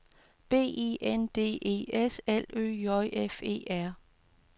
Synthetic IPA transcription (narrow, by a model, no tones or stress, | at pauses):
b̥e̝̰ːḛʔend̥e̝̰ːʔe̝̰ːeselø̰ːjɒɪʔefe̝̰ːæɐ̰